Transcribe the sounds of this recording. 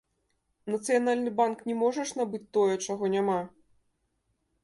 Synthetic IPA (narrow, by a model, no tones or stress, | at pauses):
nɐt̪sɨjanalʲnɨbanknʲɛmɔʐɐʂnabɨt͡sʲt̪ɔjɛt͡ʂaɣɔnʲama